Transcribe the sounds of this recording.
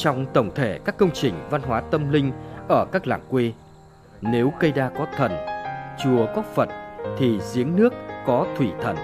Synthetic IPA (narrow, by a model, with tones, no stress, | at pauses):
t͡ɕɔ˧wŋ͡mt̪ə˧˩wŋ͡mt̪ʰe˧˩kaː˦˥kːə˧wŋ͡mt͡ɕï˨˩ŋ̟va˧nɦwaː˨˦t̪ə˧mlï˧ŋ̟ʔəː˧˩kaː˦˥k̚la̰ː˧˩ŋkwi˧ | ne˨˦wɣə˧jɗaː˧kɔ˨˦t̪ʰə˨˩nt͡ɕu˨˩əkɔ˨˦fə̰˧˨nt̪ʰi˨˩zi˨˦əŋnɨ˦˥əkːɔ˨˦t̪ʰwi˧˩t̪ʰə̰˨˩n